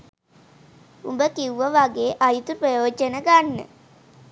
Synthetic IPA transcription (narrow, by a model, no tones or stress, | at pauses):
umbəkiuʋəʋaɡeːʔajut̪uprəjoːd͡ʒənəɡanːə̰